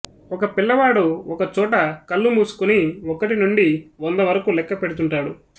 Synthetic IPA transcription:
ɔkɐpiɭːɐʋaːɽuɔkɐt͡ʃɔːʈɐkɐlːumuːsu̥kuniɔkːɐʈinuɳɖiond̪ɐʋɐɾɐkulɛkːɐpe̞ɽut̪uɳʈaːɽu

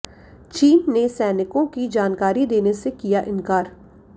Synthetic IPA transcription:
t͡ʃiːnːesɛːnɪkõkid͡ʒaːnkaːɾid̪eːnesekijaʔɪ̃nkaːɾ

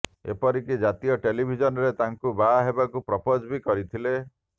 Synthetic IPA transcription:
ḛpɔɾikid͡ʒat̪iɔʈelibʱid͡ʒɔnɔɾet̪aŋkubaɦebakupɾɔpod͡ʒbikɔɾit̪ʰile

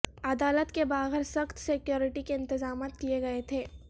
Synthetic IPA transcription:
ɐd̪aːlət̪kebaːɣɪɾsɐxt̪sɪkjoːɾɪʈikeɪ̃nt̪ɪzaːmaːt̪̚kieɡɐet̪ʰeː

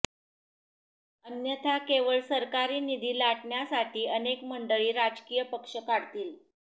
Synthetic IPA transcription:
ənjət̪ʰakeʋəɭsəɾkaɾiːnid̪ʱiːlaʈɳjasaʈʰiːənekməɳɖəɭiːɾad͡ʑkiːjəpəkʂəkaɽt̪iːl

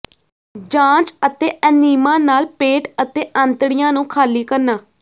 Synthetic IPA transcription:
d͡ʒãːt͡ʃət̪eːʔəniːmãːnaːlpeːʈət̪eːʔə̃nt̪ɽɪjãːnũːkʰaːliːkəɾnaː

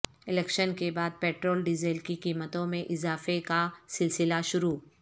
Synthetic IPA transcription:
ɪlɛːkʃənkebaːd̪̚pɛːʈɾoːlɖɪzeːlkikiːmət̪õmẽʔɪzaːfekasɪlsɪlaʃʊɾuː

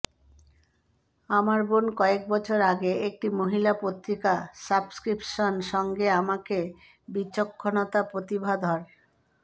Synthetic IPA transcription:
amaɾbonkɔek̚bɔt͡ɕʰoɾaɡeek̚ʈimoɦilapot̪ɾikasabskɾipʃonʃɔŋɡeamake | bit͡ɕokʰːonot̪apɾot̪ibʱad̪ʱɔɾ

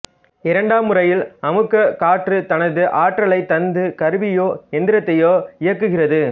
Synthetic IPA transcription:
ɪɾɐɳɖaːmːɯrɐjɪlɐmɯkːɐkaːʈrɯt̪ɐnɐðɯʔaːʈrɐɭɐɪt̪ːɐnd̪ɯkɐɾɯʋɪjoːɛnd̪ɪɾɐt̪ːɐjoːɪjɐkːɯɣɪrɐðɯ

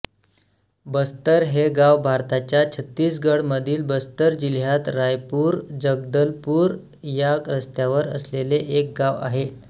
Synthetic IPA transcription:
bəst̪əɾɦeɡaʋbʱaɾt̪at͡ɕjat͡ɕʰət̪ːiːsɡəɽməd̪ʱiːlbəst̪əɾd͡ʑiljat̪ɾajpuːɾd͡ʑəɡ̚d̪əlpuːɾ | jaɾəst̪jaʋəɾə̰sleleʔek̚ɡaʋa̰ɦe

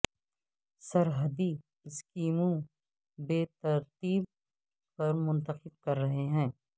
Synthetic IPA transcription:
sɐɾɦəd̪i | ɪskiːmõ | beːt̪ɐɾt̪iːb̚ | pɐɾmʊ̃nt̪əqɪb̚kɐɾːɐɦeɦɛ̃ː

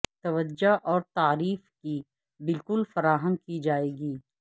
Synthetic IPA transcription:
t̪ɐʋəd͡ʒaʔɔːɾt̪aːɾiːfki | bɪlkʊlfɐɾaːɦəmkid͡ʒaːeːɡiː

